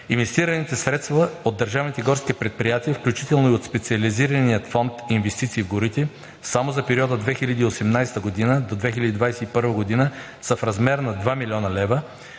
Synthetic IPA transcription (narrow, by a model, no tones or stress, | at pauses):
invɛst̪iɾɐnit̪ɛsɾɛt̪st̪vɐod̪ːɐɾʒavnit̪ɛɡɔɾskiɛpɾɛt̪̚pɾijat̪iəfklʲut͡ʃit̪ɛlˠnoiot̪spɛt̪siɐliziɾɐnijət̪fɔnt̪invɛst̪it̪siːvɡoɾit̪ɛ | samozɐpɛɾʲiɔd̪əd̪vɛxilʲɐd̪iːosɛmnajst̪əɡod̪inəd̪od̪vɛxilʲɐd̪id̪vajsɛipɤɾvəɡod̪inə | səfɾɐzmɛɾnɐd̪vamilʲiɔnɐlɛvə